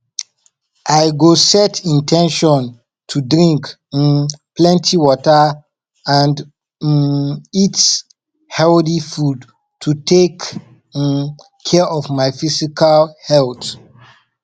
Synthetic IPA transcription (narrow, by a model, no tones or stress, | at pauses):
ʔaɪɡosɛtĩntʰɛ̃nʃɔ̃n | tʰudɹĩŋk | nplɛ̃ntʰiwɔtə | ãnd | it | hɛldifud | tʰutʰek | kʰɛɔvmaɪfisikʰalhɛlt